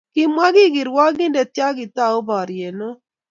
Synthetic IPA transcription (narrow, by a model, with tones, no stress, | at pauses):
kɪ˦mwa˦ɡɪ˦ɡɪ˨ɾwa˦ɡɪ˦nde˨tja˦ɡɪ˨t̪a˦o˦bɔ˨ɾje˨no˦